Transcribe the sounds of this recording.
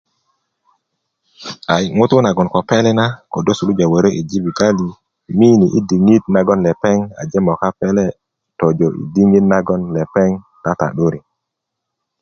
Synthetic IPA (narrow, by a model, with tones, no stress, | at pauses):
a˨jŋu˦t̪u˦na˨ɡɔ˨nko˨pe˦lɛ˦na˦ko˨do˦su˨lu˦d͡ʒa˨we˨ɾo˦ʔi˨d͡ʒi˦bi˨ɡa˦li˨ | mi˦ni˨ʔi˦di˨ŋi˦t̪̚na˦ɡɔ˦nle˨pe˦ŋa̰˨d͡ʒe˦mɔ˨ka˦pe˦le˦ | to˨d͡ʒo˨ʔḭ˨di˦ŋi˦tna˦ɡɔ˦nle˨pe˦ŋ | ta˦ta̰˨ɗu˦ɾi˨